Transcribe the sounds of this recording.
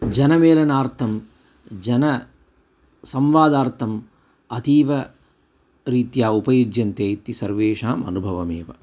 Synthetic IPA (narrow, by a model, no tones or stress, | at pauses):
d͡ʒɐnɐmeːlɐnaːɾt̪ʰɐm | d͡ʒɐnɐ | sɐmʋaːd̪aːɾt̪ʰɐm | ɐt̪iːʋɐ | ɾiːt̪jaːupɐjud͡ʒjɐnt̪eːt̪isɐɾʋeːʂaːmɐ̰nubʱɐʋɐmeːʋɐ̰